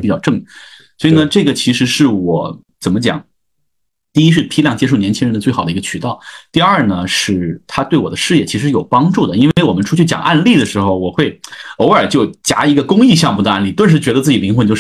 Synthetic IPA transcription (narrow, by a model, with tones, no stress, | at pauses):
pi˨˩t͡ɕɑ˥˧ʊʈ͡ʂɤ˥˩ŋswi˨˩nə˦ʈ͡ʂɤ˥˩ɡə˩t͡ɕʰi˧˥ʂɻ̩˧˥ʂɻ̩˥˩wɔ˨˩˦ | t͡sə˨˩nmə˦t͡ɕjɑ̰˨˩˦ŋ | t̪i˥˩i˥ʂ̬ɻ̩˥˩pʰi˥ljɑ˥˩ŋt͡ɕjɛ˥ʂo˥˩njɛ˧˥nt͡ɕʰi˥ŋɻə˧˥nə˧t͡swe˥˩ɑ˨˩ʊd̪i˧ɡə˧t͡ɕʰy˨˩t̪ɑ˥˩ʊt̪i˥˧ə˞˥˩nə˩ʂɻ̩˥˩t̪ʰa˥t̪we˥˩ɪwɔ˨˩d̪ə˦ʂɻ̩˥˧jɛ˥˩t͡ɕʰi˧˥ʂɻ̩˧˥ɻ̩˥˩jo˨˩ʊpɑ˥ŋʈ͡ʂu˥˩d̪ə˩i˥nwe˥e˥˩ɪwɔ˨˩mə˦nʈ͡ʂʰu˥t͡ɕʰy˥˩t͡ɕjɑ˨˩ŋʔa˥˧nli˥˩d̪ə˩ʂɻ̩˧˥xo˧ʊwɔ˨˩xwe˥˩ɪo˧˥ʊə˞˨˩t͡ɕjo˥˩ʊt͡ɕja̰˧˥i˧˥ɡə˧kʊ˥ŋi˥˧ɕ̬jɑ˥˧ŋmu˥˩d̪ə˩a˥˧nli˥˩t̪wə˥˧nʂ̬ɻ̩˧˥t͡ɕɥɛ˧˥d̪ə˧t͡sɹ̩˥˩t͡ɕi˨˩li˧˥ŋxwə˧˥nt͡ɕjo˥˧˥